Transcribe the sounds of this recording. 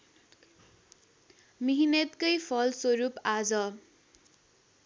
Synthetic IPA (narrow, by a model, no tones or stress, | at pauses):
miɦinet̪kʌjpʰʌlswʌɾupad͡zʌ